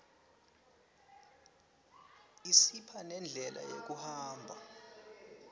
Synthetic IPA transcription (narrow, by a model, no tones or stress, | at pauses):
isipʰanɛnd͡ɮʱɛlʔa̰jḛk̬uhaːmbʱa